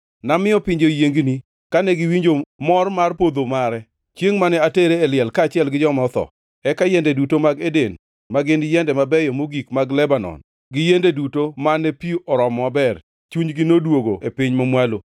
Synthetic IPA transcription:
namɪjɔpɪɲd͡ʒojeŋɡni | kanɛɡɪwiɲd͡ʒomɔrmarpod̪omaɾɛ | t͡ʃjeŋmanɛateɾeːlɪɛlkaːt͡ʃɪɛlɡɪd͡ʒɔmɔt̪ɔ̰ | ɛkajɛndedutomaɡeden | maɡɪnjɛndɛmabɛjɔmoɡikmaɡlɛbanɔ̰n | ɡɪjendedutomanɛpiʔɔɾɔmabɛr | t͡ʃuɲɡɪnodwoɡoepɪɲmamwalo

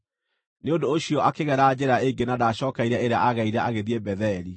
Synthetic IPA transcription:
neondoːɕiɔʔakeɣɛɾad͡ʑɛɾaeɡenadaɕɔːkaiɾɛeɾeaʔaɣaiɾɛʔaɣeðiebɛðɛɾi

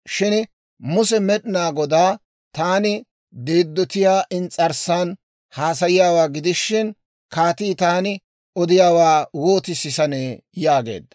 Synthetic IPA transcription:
ʃɪn | mʊsɛmɛɗɪnaːɡɔd̪aː | t̪aːnɪ | d̪eːd̪ːɔt̪ɪjaːʔɪnt͡sʼɐɾsan | haːsɐjɪjaːwaːɡɪd̪ɪʃːɪn | kaːt̪iːt̪aːnɪ | ɔd̪ɪjaːwaːwoːt̪ɪsɪsɐneːjaːɡe̞̰ːd̪ːɐ̥

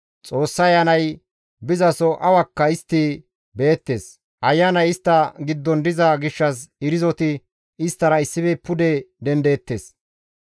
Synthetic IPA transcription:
t͡sʼo̞ːsːɐjɐnɐj | bɪzɐsɔʔɐwɐkːɐɪst̪ːɪ | be̞ːt̪ːe̞ːs | ʔɐjːɐnɐjɪst̪ːɐɡɪd̪ːɔnd̪ɪzɐɡɪʃːɐs̬ɪɾɪzɔt̪ɪ | ɪst̪ːɐɾɐɪsːɪbɛpːʊd̪ɛd̪ɛnd̪e̞ːt̪ːe̞̰ːs

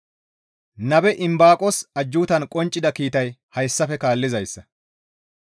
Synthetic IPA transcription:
nɐbɛʔɪmbaːkʼɔsɐd͡ʒːuːt̪ɐnkʼɔnt͡ʃʼːɪd̪ɐkiːt̪ɐjhɐjsːɐfɛkaːlːɪzɐjsːɐ

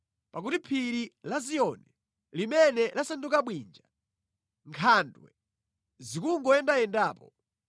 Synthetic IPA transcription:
pak̬utipʰiɾilazijɔnɛ | limɛnɛlasandukaɓwind͡ʒa | ŋkʰandwɛ̰ | zikuŋɡɔɛndajɛndaːpɔ

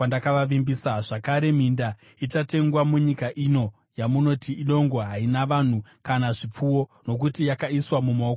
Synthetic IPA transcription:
andakaʋaʋimbisaʐakaɾe̞m̤inda | itate̞ŋɡwamuɲikaʔino̞ | jamuno̞tiʔːɗo̞ŋɡoɦainaʋan̤ukanaʐip͡fuwo̞no̞k̬utijakaiswamumo̞ːko

